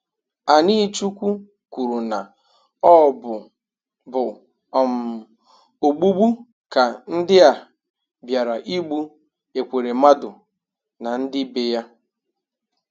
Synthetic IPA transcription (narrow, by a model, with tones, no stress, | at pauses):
a˨ni˦t͡ʃu˦kʷu˦ | ku˨ɾu˨na˨ | ɔ˦bʊ˨ | bʊ˨ | ɔ˨m̩˨ | o˨ɡ͡bu˦ɡ͡bu˦ | ka˨n̩˦dɪ˦a˨ | bja˨ɾa˨ʔi˦ɡ͡bu˦ | e˨kʷe˨ɾe˨ma˦dʊ̰˨ | na˨n̩˦dɪ˦be˨ja˦